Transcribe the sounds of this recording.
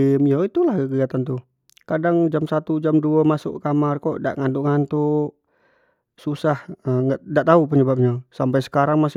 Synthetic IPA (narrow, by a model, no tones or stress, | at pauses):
mjoit̪ulahkəkəiat̪ant̪u | kadaŋd͡ʒamsat̪ud͡ʒamduamasʊ̰ʔkamarkɔʔda̰ʔŋant̪uʔŋant̪u | susahəŋɡaʔdaʔt̪aup̬əɲəbap̚ɲasampajsə̥kaɾaŋmas